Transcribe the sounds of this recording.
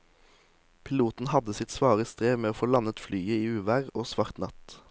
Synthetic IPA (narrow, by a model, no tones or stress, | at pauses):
pʰɪluːt̪n̩hɑd̪əsɪt̪sʋɑːʁəst̪ʁeːʋmeːoːfoːlɑnət̪flyːəiːʉːʋæːʁoːsʋɑʁt̪nɑ̰t̪